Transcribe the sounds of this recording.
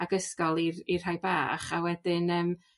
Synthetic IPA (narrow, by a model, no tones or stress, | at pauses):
aɡəskɔlˠirirhajba̰ːχawɛdɪnəːm